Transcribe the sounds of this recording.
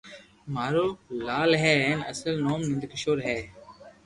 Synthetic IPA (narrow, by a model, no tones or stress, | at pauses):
maːɾoːlaːlɦɛːeːnɐ̰səlnoːmnɪ̃nd̪kɪʃoːɾɦɛː